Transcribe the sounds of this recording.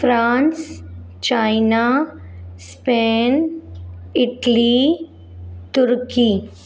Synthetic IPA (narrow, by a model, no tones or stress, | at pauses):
fɾãːns | t͡ʃaːɪna | speːn | ɪʈli | t̪ʊɾkiː